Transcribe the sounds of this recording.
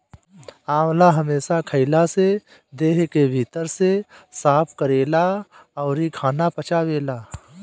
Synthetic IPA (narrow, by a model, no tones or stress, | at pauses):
aːwlaɦɐmeːsakʰəɪlase | d̪eːɦkebʱiːt̪əɾsesaːpʰkəɾeːlaɔːɾikʰaːnapɐt͡ʃaːweːlaː